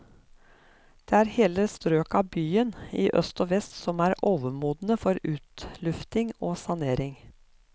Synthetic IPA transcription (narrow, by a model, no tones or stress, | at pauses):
d̪̥eːæːɾheːləst̪ɾøːkɑːbyːəniːʔœ̰st̪oːʋɛst̪sɔmæːɾoːʋəmuːd̪n̩əfɔɾʉːt̪lʉft̪ɪŋoːsɑneːɾɪŋ